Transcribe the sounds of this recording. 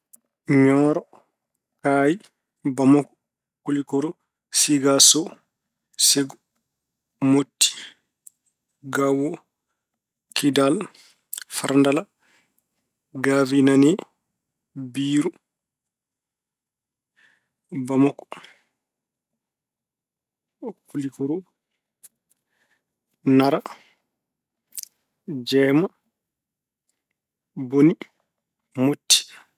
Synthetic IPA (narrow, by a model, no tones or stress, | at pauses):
ɲɔːɾɔ | kaːji | bamɔkɔ̥ | kulikɔɾɔ | siɡasɔ | seɡɔ | motːi̥ | ɡawɔ | kʰidal | fa̰ɾndala | ɡavinanɛ | biːɾu | bamɔkː | kːulikuɾu | naɾa | d͡ʒɛːma | boni | motːi̥